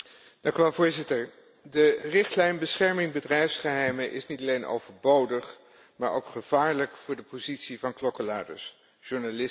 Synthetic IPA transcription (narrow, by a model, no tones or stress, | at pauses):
d̥ɑŋkyʋɛlˠvʊːɹzɪtəɹ | dərɪχtlɛjnbəsχɛɹmɪŋbədrɛjfsχəɦɛjməʔɪsnitɑlejnʔo̰wvəɹbowdəχ | maːɹo̰wkχəv̥aːɹləkfʊːɹdəpozitsivɑnklɔkəlaːdə̰ɹs | ʒ̥ʊɹnalɪ